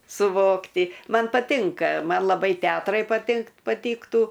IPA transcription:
sʊˈʋoːktʲɪ ˈmɐn pɐˈtʲɪŋkɐ ˈmɐn lˠɐˈbɐɪ ˈtʲɛɐtrɐɪ pɐtʲɪŋk pɐˈtʲiːktuː

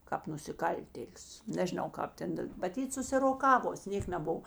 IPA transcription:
kɑːp nʊsʲɪˈkɐlʲtʲeːlʲʊs nʲɛʒʲɪˈnɐʊ ˈkɑːp tʲɛn dɐ mɐˈtʲiːt sʊsʲɪroːˈkɑːʋoːs ˈnʲeːk nʲɛˈbʊw

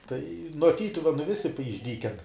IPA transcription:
tɐɪ nuɔ ˈtʲiːtʊʋʲɛnʊ ˈʋʲɪsʲɪ p ɪʒʲˈdʲiːkʲɛn

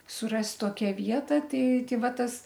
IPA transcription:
sʊˈrɐsʲtʲ ˈtoːkʲɛ ˈʋʲiɛtɐ ˈtʲɛɪ ˈtʲɛɪ ˈʋɐ ˈtɐs

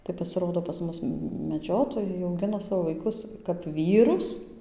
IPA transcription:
tɐɪ pɐsʲɪˈroːdoː pɐs ˈmʊs mʲɛˈd͡ʒʲoːtoːjɛɪ ɐʊˈɡʲɪnɐ ˈsɑːʋoː ʋɐɪˈkʊs kɐp ˈʋʲiːrʊs

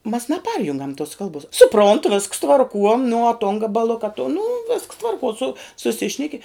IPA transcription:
mɐs nɐˈpɐrʲjʊŋɡɐm toːs ˈkɐlˠboːs sʊˈproːnt ʋʲɪsks tʋɐrˈkuɔ nʊ uɔ toːn ɡɐbɐˈlˠʊkɐ toːn nʊ ʋʲɪsks ˈtʋɐrkuɔ sʊ sʊˈsʲɪʃʲnʲɛkʲɪ

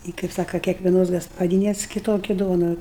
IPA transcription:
ˈɪ kɐɪp ˈsɑːkɐ kʲiɛkʋʲɛˈnoːs ɡɐspɐˈdʲiːnʲɛs kʲɪˈtoːkʲɪ ˈduɔnʊ

